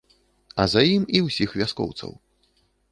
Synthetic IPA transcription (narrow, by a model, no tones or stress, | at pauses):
ɐzajimiwsʲixvʲaskɔ̰wt̪sɐ̰w